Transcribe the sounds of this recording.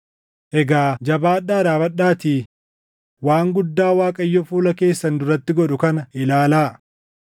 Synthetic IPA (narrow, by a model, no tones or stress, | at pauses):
ʔɛɡaːd͡ʒɐbaːɗːaːd̪aːbɐɗaːt̪iː | waːŋɡʊd̪ːaːwaːkʼɐjːɔfuːlɐke̞ːsːɐnd̪ʊrɐt̪ːɪɡɔᶑʊkɐnɐʔɪlaːlaː